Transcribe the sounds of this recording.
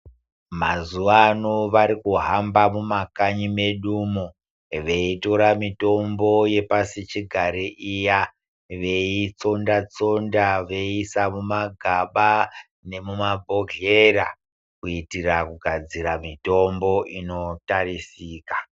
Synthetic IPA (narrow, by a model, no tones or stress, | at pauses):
mazuʋanoʋaɾikuɦambamumakaɲime̞ɗuːmo | ʋe̞ito̞ɾamito̞mbo̞je̞pasit͡ʃiɡʱaɾiʔija | ʋe̞it͡so̞ndat͡so̞ndaʋe̞isamumaɡʱaɓa | ne̞mumabʱoɡeɾa | kuitirakuɡʱad͡ziɾamito̞mbo̞ʔino̞tarisiːkḁ